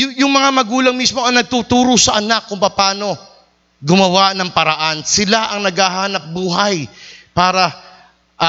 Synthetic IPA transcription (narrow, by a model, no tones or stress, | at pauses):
jʊjʊŋmɐŋamɐɡuːlɐŋmismo̞ɐŋnɐɡ̚t̪ut̪uːɾosɐʔɐnakːʊŋpɐpaːno̞ | ɡʊmɐwanɐŋpɐɾɐʔansɪlaʔɐŋnɐɡhaɦaːnɐp̚buːɦɐjpaːɾɐ | ʔ